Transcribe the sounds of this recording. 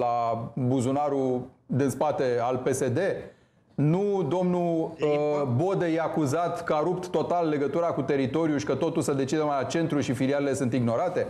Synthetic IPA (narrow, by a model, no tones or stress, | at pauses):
labuzunaɾud̪inspat̪e̞alpe̞se̞d̪e̞ | nud̪o̞mnu | bo̞d̪ejeakuzat̪kəaɾup̚t̪ːo̞t̪alːe̞ɡət̪uɾakut̪e̞ɾit̪o̞ɾijuʃi̥kət̪o̞t̪ulsəd̪e̞t͡ʃid̪əmat͡ʃe̞nt̪ɾulʃifilialele̞sɨnt̪iɡno̞ɾat̪e̞